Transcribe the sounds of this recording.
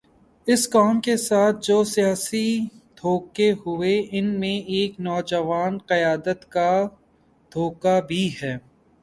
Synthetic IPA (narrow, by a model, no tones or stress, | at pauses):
ɪskaːmkesaːt̪̚ʰd͡ʒoːsijaːsid̪ʱoːkeɦʊeɪnmẽʔeːknɔːd͡ʒəʋaːnqɐjaːd̪ət̪ka | d̪ʱoːkabʱiɦɛː